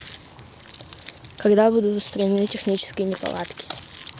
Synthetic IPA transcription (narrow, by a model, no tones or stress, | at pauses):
kɐɡd̪abud̪ʊt̪ʊst̪ɾɐnʲɪnɨtʲɪxnʲit͡ɕɪ̥skʲɪjənʲɪpɐ̰lˠa̰t̪kʲɪ̥